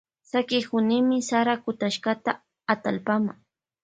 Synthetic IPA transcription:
sakɪhʊnɪmɪsaɾakʊt̪aʃkat̪aː | t̪alpamaŋ

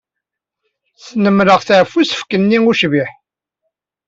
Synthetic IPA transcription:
snəmɾəʁθaʕfusə̥fkənːiuʃviħ

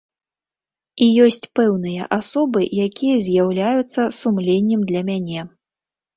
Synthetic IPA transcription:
ijɔsʲt͡sʲpɛwnɨjɐ̰ʔasɔbɨjakʲijɐzʲjawlʲajut̪sːɐsumlʲenʲːɛmd̪lʲɐmʲanʲɛ

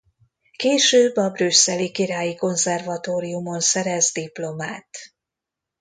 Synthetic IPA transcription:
keːʃøːbːɒbrysːɛlikiɾaːjiko̞nzɛrvɒt̪oːɾijumo̞nsɛɾɛzd̪iplo̞maːt̪

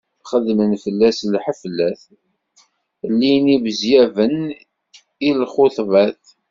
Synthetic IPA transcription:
χəðmənfəlːæslħəflːæθ | lːinibəzjævən | ilχoθvæθ

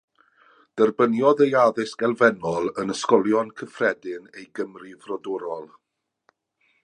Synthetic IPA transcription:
d̥ərbənjɔðejaðɪsɡ̥ɛlˠvɛnɔlˠənəskɔlˠjɔnkʰəfrɛdɪnejɡəmrivrɔdɔɾɔlˠ

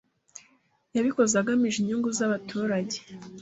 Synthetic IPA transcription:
jaβiko̞zaɡamiʒiɲuŋɡuzaβatʰuːɾaɟe̥

